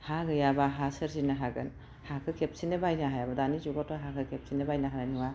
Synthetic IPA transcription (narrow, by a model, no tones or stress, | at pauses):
haɡɯjabaɦasɐɾzinɐɦaɡɯ̰n | hakʰɯkʰep̚sinɐbajnaɦajabɐdanizuɡataɦakʰɯkʰep̚sinɐbajnaɦaɾaniŋa